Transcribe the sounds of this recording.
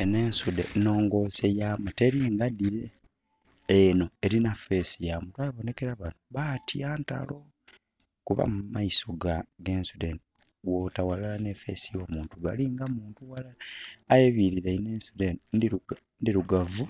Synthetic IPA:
ene̞ːnsudḛno̞ːŋɡo̞sejamate̞ɾiːŋɡadiɾe | eno̞e̞ɾinafe̞sijamutwajaβo̞ne̞ke̞ɾaβanoβatʰiaːnta̰lo̞ | kuβa̰mumaisoɡaɡe̞ːnsudeni | wotawalaane̞fe̞̰sijo̞ːmuːntuβa̰liŋɡamuːntuwalaːjeβiɾiɾaineːnsudenn | ndiɾuɡavu

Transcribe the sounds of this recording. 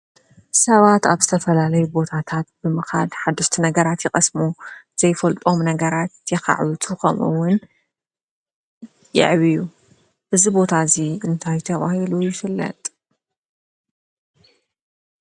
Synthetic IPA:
sɐβat̪aβzɨt̪ʰɐfɐlalɐjubo̞t̪ʰat̪ʰat̪̚bɨmɨxa̰lħad̪ːɐʃt̪ʰinɐɡɐɾat̪jɛxʼɐsmuz̥ɐjfɐlt̪ʼo̞mnɐɡɐɾat̪jɛka̰ʕβɨt̪ʰukʰɐ̰mʔṵwʊn | jɪ̰ʕβiju | ʔɨzibo̞t̪ʰaziɨnt̪ʰajt̪ʰɐβa̰hilujɪfɨlːɐ̰t̪ʼ

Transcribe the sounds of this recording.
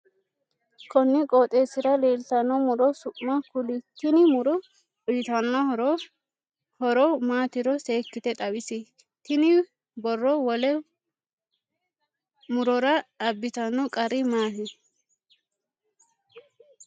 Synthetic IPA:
kɔnːɪkʼoːt̪ʼeːsɪɾɐle̞ːlt̪ɐnːɔmʊɾɔsʊʔmɐkʊlɪtːɪnɪmʊɾɔ | ɔjɪt̪ɐnːɔɾ | hɔɾɔmaːt̪ɪɾɔseːkːɪt̪ɛt̪ʼɐwɪsɪ | t̪ɪnɪ | bɔrːɔwɔlɛ | mʊɾɔɾɐɐbːɪt̪ɐnːɔkʼɐɾɪmaːhɪ

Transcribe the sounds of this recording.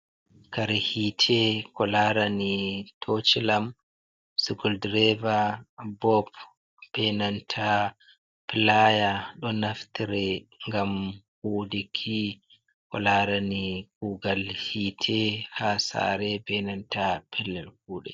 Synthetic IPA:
kaɾɛhitʰɛkɔlaɾanitʰot͡ʃilam | suɡuldɾɛvabɔp | b̥ɛnantʰa | pilajaɗɔnaftiɾɛŋɡamhuːdikʰi | kɔ̰laɾaniɡuːɡalhitʰɛhasa̰ɾɛbɛnantapʰɛlːɛlkuːɗɛ̰

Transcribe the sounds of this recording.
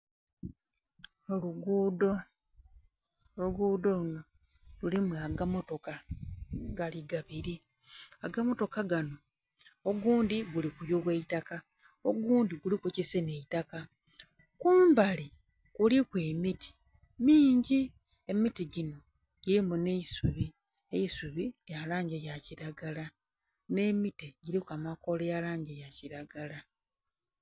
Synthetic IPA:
oluɡuːdo̞ | ouɡuːdo̞uno̞ | lulimuaɡamo̞to̞ka | ɡaliɡaβiɾi | aɡamo̞to̞kaɡano̞ | oɡuːndiɡulikujoβweitaka | o̞ɡuːndiɡulikucisene̞itaka | kuːmbali | kulikwemitʰi̥ | miːɲɟi | e̞mitiɟino̞ | ɟ̥iɾimune̞isuβi | ejisuβijalaːɲɟejaciɾaɡala | ne̞mitiɟiɾikamako̞lejalaːɲɟejaciɾaɡala

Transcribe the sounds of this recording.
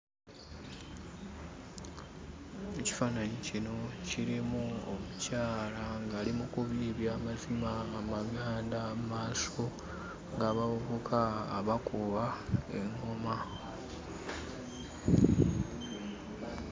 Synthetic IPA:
eci̥fanaɲecino̞ciɾimuomucaːlaŋɡaːlimukuβiβjaːmazimaːmaɡaːndammaːso̞ | ŋɡaːβaβoβokʰaːβakuβaeŋoma

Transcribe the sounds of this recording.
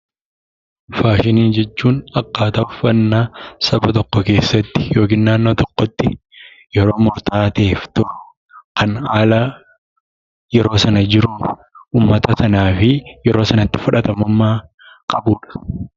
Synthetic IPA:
faːʃɪniːnd͡ʒɛt͡ʃːuːnɐkːaːt̪ɐʊfɐnːasɐbɐt̪ɔkːɔke̞ːsːɐt̪ːɪ̥jo̞ːkɪːnːaːnːoːt̪ɔkːɔt̪ːɪ | jɛɾo̞ːmʊɾt̪aːt̪eːft̪oː | kɐnaːlɐ | jɛɾo̞ːsɐnɐd͡ʒɪɾuː | ʔuːmːɐt̪ɐsɐnaːfɪjɛɾo̞ːsɐnɐt̪ːɪ̥fʊᶑɐt̪ɐmʊmːaː | kʼɐbuːᶑɐ̥

